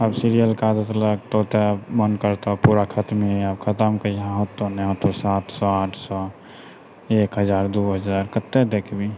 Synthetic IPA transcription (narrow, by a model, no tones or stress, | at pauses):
əbsiɾijəlkad̪ət̪ləɡ̚t̪ot̪ɛmənkəɾt̪ɔpuɾakʰət̪meabkʰət̪əmkəiãɦot̪ːonɛɦot̪ːosat̪ʰsɔaʈʰsɔ | ekɦəd͡ʒaɾd̪uɦəd͡ʒaɾkət̪ːɛd̪ekʰbi